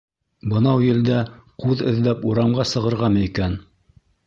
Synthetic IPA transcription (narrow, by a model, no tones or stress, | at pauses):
bɤ̆nɑwjɘ̆ld̪æquðɘ̆ðlæpuɾɑmɢɑsɤ̆ʁɤ̆ɾʁɑmɘikæn